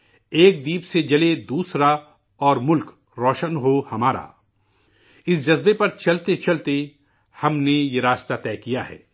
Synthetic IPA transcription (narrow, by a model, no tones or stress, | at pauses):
eːk̚d̪iːpsed͡ʒɐled̪uːsɾa | ɔːɾmʊlk | ɾɔːʃənɦohɐmaːɾa̰ː | ɪsd͡ʒɐzbepɐɾt͡ʃɐlt̪et͡ʃɐlt̪e | hɐmnejeɾaːst̪at̪ɛːkijaɦɛ̰ː